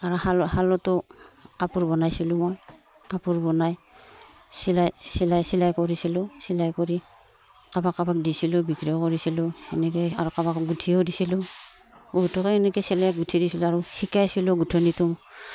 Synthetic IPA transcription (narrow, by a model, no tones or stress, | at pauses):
aɹɔhalhalɔtɔkapuɹbɔnajsilumɔj | kapuɹbɔnaj | silajsilajsilajkɔɾisilɔsilajkɔɾi | kabakːabak̚disilɔbikɾɔkɔɹisilɔɛnɛkɛaɾɔkabakɡutʰiɔdisilɔ | ɡutʰɔkɛɛnɛkɛsɛlajakɡutʰidisilɔaɹɔhikajsilɔɡutʰɔnituŋ